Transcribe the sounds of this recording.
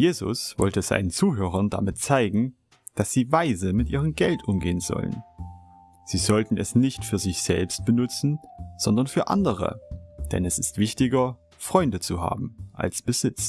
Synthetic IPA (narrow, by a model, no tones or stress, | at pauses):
jeːzʊ̰sv̥ɔ̰ltəz̥a̰ɪnənt͡suːɦøːʁ̞ɐnda̰mɪtt͡saɪɡŋ̩ | d̥asz̥iːvaɪzəmɪtʔiːʁ̞əmɡɛltʰʔʊmɡeːənzɔ̰lə̰n | z̥iːzɔltn̩ɛsnɪçtfyːɐzɪçz̥ɛ̰lpst̚b̥ənʊt͡sn̩z̥ɔndɐnfyːɐʔa̰ndəʁ̞ə̰d̥ɛ̰nɛsɪstv̥ɪçtɪɡɐ | fʁ̥ɔʏndət͡suɦa̰ːbm̩ʔa̰lsb̥əzɪt͡s